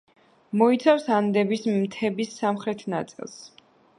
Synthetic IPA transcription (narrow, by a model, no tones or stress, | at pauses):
mɔit̪sʰafsand̪ɛbismt̪ʰɛbisːamχɾɛt̪ʰna̰t̪sʼḭlˠs